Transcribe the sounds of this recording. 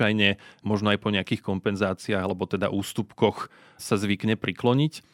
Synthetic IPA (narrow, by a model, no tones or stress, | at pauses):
ajɲɛmɔʒnɔajpɔɲɛakiːxkɔmpɛnzaːt͡siaːɣalɛbɔt̪ɛd̪a̰ʔuːst̪upkɔx | sazʋikɲɛpɾʔiklɔɲic